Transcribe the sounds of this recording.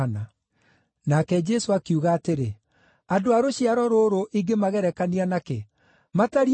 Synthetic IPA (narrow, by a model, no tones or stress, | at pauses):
na | nakɛd͡ʒɛsoakiuɣaːteɾe | adoaɾoɕiaɾɔɾoɾoʔiɡemaɣɛɾɛkanianake | mataɾi